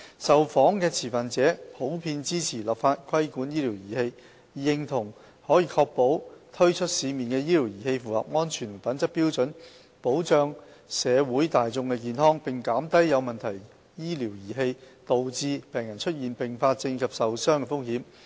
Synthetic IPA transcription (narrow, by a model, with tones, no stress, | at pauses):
sɐ˨wfɔː˨˥ŋkɛː˧t͡sʰiː˨˩fɐ˨nt͡sɛː˨˥pʰo˨˥wpʰiː˧nt͡siː˥t͡sʰiː˨˩laː˨˩pfaː˧t̚kʰɐ˥jkuː˨˥njiː˥liː˨˩wjiː˨˩he˧j | jɪ˧ŋt̪ʰʊ˨˩ŋ | hɔː˨˥jiː˧kʰɔː˧k̚po˨˥wt̪ʰɵ˥ɥt͡ʃʰɵ˥t̚siː˨˧miː˨˩nkɛː˧jiː˥liː˨˩wjiː˨˩he˧jfuː˨lɐ̰ː˨p̚ŋɔː˥nt͡ʃʰyː˨˩n˩fɐ˨˥nt͡sɐ˥k̚piː˥wt͡sɵ˨˧˥n | po˨˥wt͡ʃœː˧ŋsɛː˨˧wuː˨˥jt̪aː˨jt͡sʊ˧ŋkɛ˧k̬iː˨nhɔː˥ŋpɪ˨ŋkaː˨˥mt̪ɐ˥jjɐ˨˧wmɐ˨nt̪ʰɐ˨˩j | jiː˥li˨˩wjiː˨˩ɦe˧jt̪o˨wt͡siː˧pɛː˨˩ŋjɐ˨˩nt͡ʃʰɵ˥t̚jiː˨˩npɪ˨˩ŋfaː˧t̚t͡sɪ˧ŋkʰɐ˨p̚sɐ˨wsœː˥ŋkɛː˧fʊ˥ŋ̚hiː˨˥m